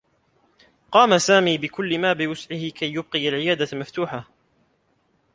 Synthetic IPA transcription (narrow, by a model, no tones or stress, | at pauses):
qɑːmasaːmiːbɪkʊlːɪmaːbɪwʊsʕɪhɪkajːʊb̚qɪjalʕɪjaːd̪amaft̪uːħa